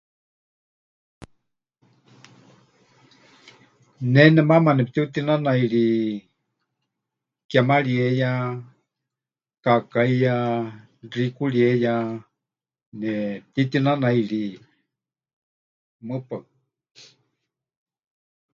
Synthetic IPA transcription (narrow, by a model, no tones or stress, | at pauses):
nɛnɛmamanɛp̚t̪iut̪inanaiɺi | kjamaɺieja | kakaija | rikuɺieja | nɛp̚t̪it̪inanaiɺi | mɨpa